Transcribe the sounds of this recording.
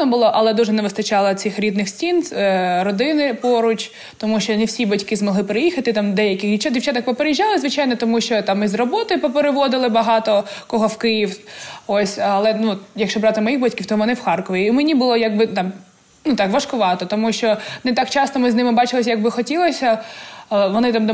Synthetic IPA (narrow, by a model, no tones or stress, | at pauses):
nɔbʊlˠɔʔɐlˠɛd̪uʒɛnɛʋɪst̪ɐt͡ʃɑlˠɪt̪ʲsʲɪxɾʲid̪nɪxsʲtʲinɾɔd̪ɪnɪpɔɾʊt͡ʃʲ | t̪ɔmuʃt͡ʃɔnɛwsʲibɐtʲkɪzmɔɦlˠɪpɾɪjixɐt̪ɪt̪ɑmd̪ɛjɐkɪxdʲit͡ʃad̪ʲiwt͡ʃat̪ɐkpɔpeɾejiʒːɑlˠɪzʋɪt͡ʃɑjnɔt̪ɔmuʃt͡ʃɔt̪ɑmizrɔbɔt̪ɪpɔpeɾɪʋɔd̪ɪlˠɪbɐɦɑt̪ɔkɔɦɔwkɪjiwɔsʲɐlˠɛnujɐkʃt͡ʃɔbɾɑt̪ɪmɔjiɣbatʲkʲiwt̪ɔʋɔnɪwxɑrkɔʋʲiʊmenʲibʊlˠɔjɐɡ̚bɪt̪ɑm | nut̪ɑkʋɐʃkʊʋɑt̪ɔt̪ɔmuʃt͡ʃɔnɛt̪ɑkt͡ʃɑst̪ɔmɪznɪmɪbɑt͡ʃɪlˠɪsʲjɐɡbɪxɔtʲilˠɔsʲɐ | ʋɔnɪt̪ɑm